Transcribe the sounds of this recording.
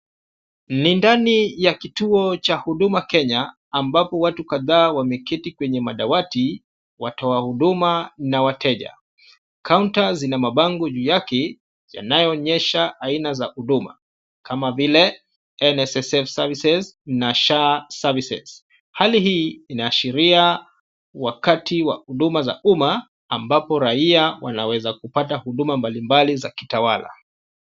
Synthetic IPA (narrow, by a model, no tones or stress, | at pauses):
nindanijakituɔt͡ʃahuɗumakɛɲaː | mbapɔwatukaðaːwamɛkitikwɛɲɛmaɗawati | watɔahuɗumanawatɛʄa̰ | kauntazinamaɓaŋɡɔʄujakɛ | ja̰najɔɲɛʃaʔainazahuɗuma̰ | kamavilɛ | ɛnɛsɛsɛfsavisɛznaʃasavisɛ̰z̥ | halihiːinaːʃiɾia | wakatʰiwa̰huɗumaza̰ʔumaː | mbapɔɾaiawanawɛzakupatahuɗumambalimbalizakitawala̰